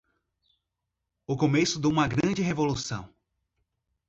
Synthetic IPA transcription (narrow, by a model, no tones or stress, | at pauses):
ʊkomesʊd̪oũmɐɡɾɐ̃d͡ʒɪɦevolusɐ̰̃w̃